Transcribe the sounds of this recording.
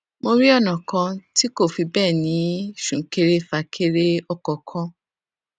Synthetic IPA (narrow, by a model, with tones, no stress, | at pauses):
mo˧ɾi˦ɔ˦˨nã˨kã˧ti˦ko˦˨fi˧bɛː˦˨nĩ˨˦ʃũ˨˦ke˧ɾe˦fa˧kʰe˧ɾe˦ɔ˧˨kɔ˨kʰɔ̃˧˦